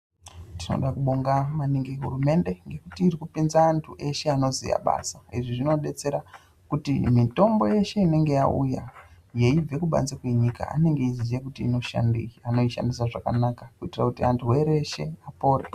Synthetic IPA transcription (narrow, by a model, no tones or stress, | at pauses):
tino̞̰ɗakuɓoŋɡamaniŋɡeɦṵrume̞nde̞ŋɡe̞kutiːrikupinzaːntʰuʔe̞ʃe̞ano̞zḭja̰ɓa̰saiʐiʐino̞ɗe̞t͡se̞ɾa | kutḭmito̞mbo̞je̞ʃe̞ine̞ŋɡe̞jaṵja̰ | je̞ib͡ve̞kuɓa̰nzekwe̞ɲika̰a̰ne̞ŋɡeizijekutiːno̞ʃa̰ndiano̞iʃa̰ndisaʐakanakakuitirakutiantʰuwe̞ɾeʃe̞apo̞ːɾḛ